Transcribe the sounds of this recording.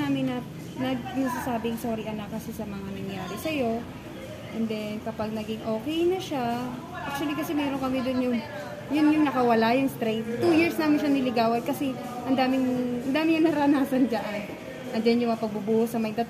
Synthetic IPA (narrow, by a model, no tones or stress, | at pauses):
aːmɪnːɐ | nɐɡ̚nɐsasaːbɪŋsoɾiʔɐnakːɐsɛsɐmɐŋanɐŋjaːɾɪsɐjo̞ | ʔɛnd̪ɛnkɐpaɡ̚nɐɡɪŋʔo̞ːkɛjnɐʃa | ʔak̪̚wɐlikɐsɛmɛːɾoŋkɐmɛd̪onjʊŋ | jʊnjʊŋnɐkɐwɐlajʊŋst̪ɾɛjt̪̚t̪ːujɪɹsnaːmɪnʃanɪlɪɡaːwɐd̪̚kɐsɛ | ʔɐnd̪aːmɪŋʔɐnd̪aːmɪŋjɐŋnɐɾɐɐnaːsɐnd͡ʒɐʔan | ʔɐnd͡ʒɛnjʊŋmɐapɐɡ̚bʊbuːhosɐmɐjd̪ɐt̪